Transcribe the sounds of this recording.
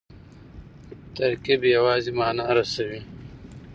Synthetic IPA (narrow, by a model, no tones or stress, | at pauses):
t̪ɐɾkibjɐwɑːzimɑːnaɾɐsɐwi